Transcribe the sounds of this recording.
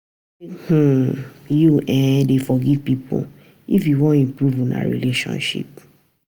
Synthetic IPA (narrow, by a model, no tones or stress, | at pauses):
h̩juʔɛ̃defɔɡivpipo̰ | ifjuwɔ̃nĩmpɾuvũna̰ɾḭleʃɔ̰̃nʃḭp̚